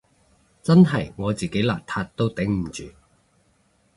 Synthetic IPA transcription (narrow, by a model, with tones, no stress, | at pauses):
t͡sɐ˥nɦɐ˨˩jŋɔː˨˧t͡siː˨˩ke˨˥jla̰ː˨˩k̚t̪ʰaː˧t̚t̪ːo˥wt̪ɪ˨˥ŋm̩˨˩t͡ʃyː˨